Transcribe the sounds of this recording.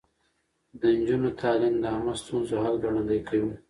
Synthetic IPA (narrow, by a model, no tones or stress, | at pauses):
d̪ənd͡ʒunot̪ʰɑlɪmd̪əamast̪unzoɦalɡaɽand̪ajkʰawu